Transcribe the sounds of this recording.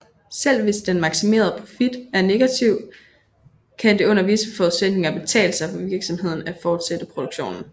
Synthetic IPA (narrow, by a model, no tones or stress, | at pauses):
sel̰ʋe̝sd̥enmɑ̈ɡ̥sime̝̰ːɐð̞ˠpʰʁo̝fid̥æɐne̝ɡ̥æt͡sʰiʊ̰ | kʰæd̥e̝ɔ̽n̰ɐʋisəfɒ̽uðˠsed̥ne̝ŋɐb̥e̝t͡sʰɛ̰ːləsɑ̈ɪfɒ̽ʋiɐɡ̥sɒ̽mhe̝ð̞̰ˠn̩æfɒːd̥sed̥əpʰʁo̝d̥uɡ̥ɕo̝̰ːnn̩